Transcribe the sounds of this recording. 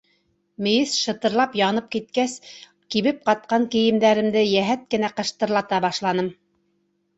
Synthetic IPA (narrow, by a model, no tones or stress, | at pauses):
mɘ̆jɘsʃɤ̆t̪ɤ̆ɾlˠɑpjɑnɤp̚kit̪̚kæs | kiβɘp̚qɑt̪̚qɑŋkɘ̆jɘ̆md̪æɾɘ̆md̪ɘjæɦæt̪̚kɘ̆næqɤ̆ʃt̪ɤ̆ɾlˠɑt̪ɑbɑʃlˠɑnɤm